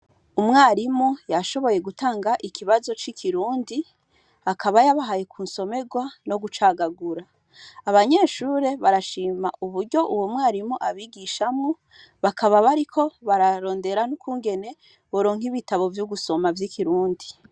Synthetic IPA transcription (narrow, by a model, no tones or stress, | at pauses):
umŋaːɾimujaʃo̞βo̞je̞ɡutaːŋɡaʔikʰiβazo̞t͡ʃikʰiɾuːndi | akaβajaβaɦajekʰuːnso̞me̞ɡwano̞ɡut͡ʃaɡaɡuɾaː | βaɲe̞ːʃuɾe̞βaɾaʃiːma̰ʔuβuɾɟo̞ʔuwomŋwaːɾimuʔaβiɡiʃamŋu | βakʰaβaβaɾikʰo̞βaɾaɾo̞ːnde̞ɾanukuːŋɡe̞ne̞ | βoɾo̞ːŋ̥hiβitaβo̞vjuɡuso̞mavjikʰiɾuːndi